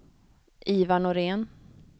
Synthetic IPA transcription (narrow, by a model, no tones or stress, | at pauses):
ʔiːvanʊɾeːn